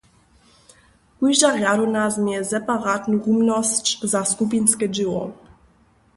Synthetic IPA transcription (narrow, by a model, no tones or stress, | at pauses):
kujʒaɣjaɾunazmjɛzɛpaʁat̪nuʔumnɔst͡ɕzaskup̬inskɛd͡ʑɪwɔ̰